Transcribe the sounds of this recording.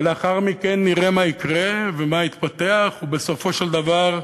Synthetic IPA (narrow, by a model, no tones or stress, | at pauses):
leaχaʁmikenːiʁemaikʁevemait̪pat̪e̞aχubeso̞fo̞ʃeld̪avaʁ